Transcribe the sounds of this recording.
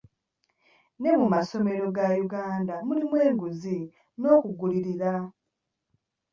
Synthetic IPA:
ne̞mumaso̞me̞ɾo̞ɡajuɡaːndamulimwe̞ːŋɡuzi | no̞ːkuɡuliɾiɾa

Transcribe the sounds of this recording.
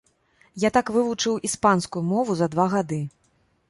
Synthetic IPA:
jat̪akvɨvut͡ʂɨwʔispanskujumɔvuzɐd̪vaɣad̪ɨ

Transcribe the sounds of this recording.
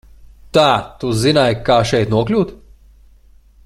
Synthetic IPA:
t̪aːt̪uzinajkaːʃɛjt̪nuɔklʲuːt̪

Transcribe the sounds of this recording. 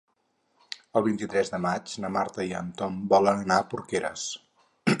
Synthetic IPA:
əlˠβint̪it̪ɾɛzðəmad͡ʒnəmaɾt̪əiə̰nt̪ɔmbɔlənənaəpuɾkeɾə̰s

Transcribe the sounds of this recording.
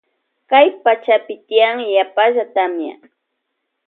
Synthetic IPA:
kajpat͡ʃapɪt̪ɪjaŋjapaʒat̪amja̰

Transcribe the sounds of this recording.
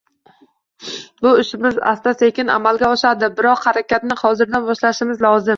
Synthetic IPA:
bʊɪʃɪmɪza̰st̪asekʲɪna̰malɡʲaɒʃad̪ɪbɪɾɒqhaɾakʲat̪nɪhɒzɪɾd̪anbɒʃlaʃɪmɪzlɒzɪm

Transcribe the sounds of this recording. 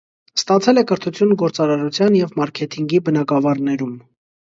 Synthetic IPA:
st̪ɑt͡sʰɛlɛkəɾt̪ʰut͡sʰjunɡɔɾt͡sɑɾɑɾut͡sʰjɑnjɛvmɑɾkʰɛt̪ʰiŋɡibənɑɡɑvɑɾnɛɾum

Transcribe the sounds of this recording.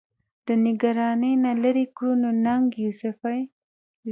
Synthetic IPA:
d̪̥ənɪɡaɾɑnəjnalaɾikɾunonaŋɡjusɪfaj

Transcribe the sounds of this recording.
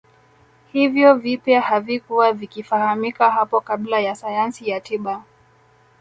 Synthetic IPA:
hivjɔvipjahavikuwavikifahamikahapɔkablajasajansijatiɓa

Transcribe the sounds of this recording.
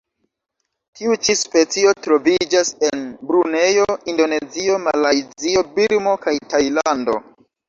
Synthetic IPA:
tʰiut͡ʃispe̞t͡sio̞tɾo̞vid͡ʒase̞nbɾune̞jo̞indo̞ne̞zio̞malajzio̞biɾmo̞kajtajlando̞̰

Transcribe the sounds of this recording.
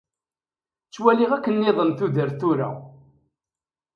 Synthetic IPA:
t͡sːwæliʁækːənːɪðˤəmθuðəɾθuɾa̰

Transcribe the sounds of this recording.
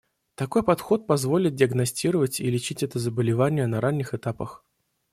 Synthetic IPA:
t̪ɐko̞jpɐt̪xo̞t̪̚pɐzvo̞lʲɪt̪̚dʲɪəɡnɐsʲtʲiɾəvətʲilʲɪt͡ɕitʲɛt̪əzəbəlʲɪvanʲɪjənɐɾanʲːɪxɨt̪apəx

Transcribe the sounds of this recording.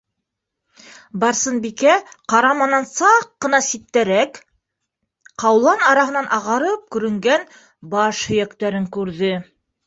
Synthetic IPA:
bɑɾsɤnbikæqɑɾɑmɑnɑnsɑqːɤ̆nɑsit̪ːæɾæk | qɑwlˠɑnɑɾɑɦɤ̆nɑnʔɑʁɑɾɤp̚kɵ̆ɾɵ̆ŋɡæn | bɑʃhɵ̆jækt̪æɾɘŋkʉɾðɘ

